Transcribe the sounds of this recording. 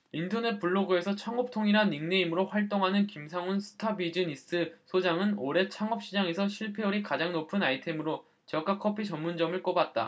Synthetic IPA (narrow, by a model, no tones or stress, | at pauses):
intʰʌne̞t̚p͈uɭːoɡue̞sʰʌt͡ɕʰaŋʌp̚tʰoŋiɾaniŋne̞imɯɾoɸwaɭt͈oŋɦanɯnkimsʰaŋunsʰɯ̥tʰabid͡ʑɯnis͈ɯsʰod͡ʑaŋɯnoɾe̞t͡ɕʰaŋʌp̚ɕ͈id͡ʑaŋe̞sʰʌɕʰiɭpʰe̞uɾikad͡ʑaŋnopʰɯnaitʰe̞mɯɾo | t͡ɕʌk͈ʰakʰʌpʰit͡ɕʌmːund͡ʑʌmɯɭk͈obat̚t͈a̰